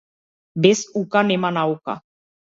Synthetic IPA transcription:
besukanemanawka̰

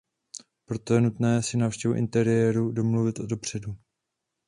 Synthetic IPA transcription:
pɾo̞t̪o̞jɛnut̪nɛːsɪnaːfʃcɛvuʔɪ̰nt̪ɛɾɪjɛːɾudo̞mluvɪt̪ʔodo̞pr̝̥ɛdu

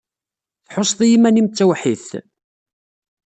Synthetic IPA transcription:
θħosˤːðˤijimænimt͡sːæwħiθ

